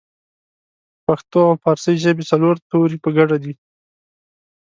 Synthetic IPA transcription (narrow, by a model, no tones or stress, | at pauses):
paxt̪oawpɑɾsəjʒəbet͡saloɾt̪oɾipəɡaɖad̪i